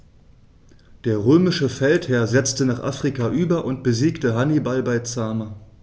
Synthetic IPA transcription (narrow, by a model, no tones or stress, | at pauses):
d̥eːɐʁøːmɪʃəfɛlthɛɐzɛt͡stənaːχʔa̰fʁ̥ikaʔyːbɐʔʊntb̥əziːktəɦanibalbaɪt͡saːma